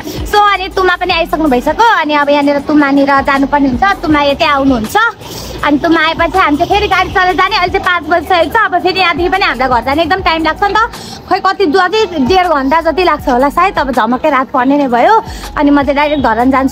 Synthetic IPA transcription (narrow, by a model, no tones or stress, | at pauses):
soʌnit̪umapʌniajsʌknubʱʌjsʌkoʌniʌbʌjãneɾʌt̪umaniɾʌd͡zanupʌrneɦunt͡sʰʌt̪umajetẽawnuɦunt͡sʰʌ | ʌ̰nit̪umajepʌt͡sʰiɦamit͡sʰepʰeɾiɡaɽit͡sʌled͡zaneʌlt͡sãpãt͡sbʌd͡zesʌekt͡sʰʌːbʌpʰeɾijãd̪ʱipʌniɦamlajɡʌrd͡zaneek̚d̪ʌmʈajmlaɡ̚t͡sʰʌnt̪ʌ | kʰʌjkʌt̪id̪uʌɡiɖerɡʱʌnd̪ad͡zʌt̪̬ilaɡ̚t͡sʰʌɦolasait̪ʌbʌd͡zʱʌmakʌjɾat̪̚pʌrnenʌjbʱʌjoʌ̰nimʌd͡zẽɖajek̚d̪ʱʌɾʌnd͡zant͡sʰu